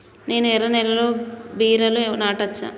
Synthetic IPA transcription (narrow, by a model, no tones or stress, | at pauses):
ne̞ːnuɛɾɐnɛlɐlo̞ːbiːɾɐlunaːʈɐt͡ʃːa̰ː